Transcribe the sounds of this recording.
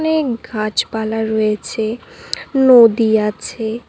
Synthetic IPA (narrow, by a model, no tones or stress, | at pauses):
neɡʱãt͡ʃbalaɾɔet͡ɕʰe | nod̪iat͡ɕʰe